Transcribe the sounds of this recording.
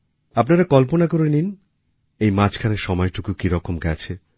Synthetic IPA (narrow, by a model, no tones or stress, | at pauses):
apnaɾakɔlponakoɾenin | ejmat͡ɕʰkʰaneɾʃɔmɔeʈukukiɾɔkomɡɛt͡ɕʰe